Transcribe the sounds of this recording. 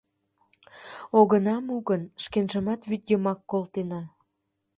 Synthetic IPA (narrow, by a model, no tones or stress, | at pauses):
oɣənɑmuɣənʃkenʒəmɑt̪βyt̪jəmɑkːolt̪enɑ